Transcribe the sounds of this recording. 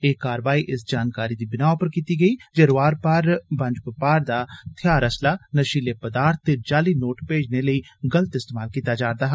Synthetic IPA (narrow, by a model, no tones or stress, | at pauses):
eːkaːɾəʋaːiːʔɪsd͡ʒaːnkaːɾiːd̪iːbɪnaːopəɾkiːt̪iːɡəiːd͡ʒeɾʊaːɾpaɾbə̃ɲd͡ʒpəpaːɾd̪aːt̪ʰjaːɾəslaːnəʃiːleːpəd̪aːɾt̪ʰːeːd͡ʒaːliːnoːʈpeːd͡ʒneːləiːɡələt̪ɪst̪eːmaːlkiːt̪aːd͡ʒaːɾd̪aːɦ